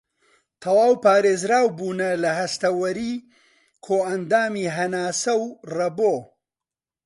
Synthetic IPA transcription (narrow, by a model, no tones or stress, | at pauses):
t̪ʰɐwaːwpaːɾeːzɾaːwbuːnɐlɐɦɐst̪ɐwɐɾiː | kʰoːʔɐnd̪aːmiːɦɐnaːsɐwrɐboː